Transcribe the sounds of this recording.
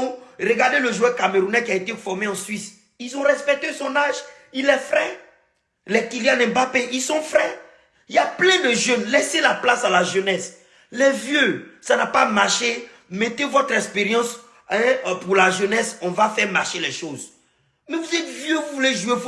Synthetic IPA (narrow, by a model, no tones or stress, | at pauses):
ʁəɡaʁd̪eləʒuɛkameɾunɛkiaet̪efɔʁmeɑ̃sɥis | ilzɔ̃ʁɛspɛk̚t̪esɔ̃naʒ | ilɛfʁɛ | lɛkiljanɛ̃bapeʔilsɔ̃fʁɛ | iljaplɛ̃d̪əʒønlɛselaplasalaʒønɛs | lɛvjøsanapamaʁʃe | mɛt̪evɔt̪χɛkspeʁjɑ̃s | ɛ̃puʁlaʒønɛsɔ̃vafɛʁmaʁʃelɛʃoz | mɛvuzɛt̪vjøvuvuleʒuef